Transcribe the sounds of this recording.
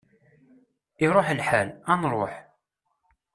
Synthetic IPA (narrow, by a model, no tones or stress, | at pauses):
iɾˤoħlħalænɾˤoħ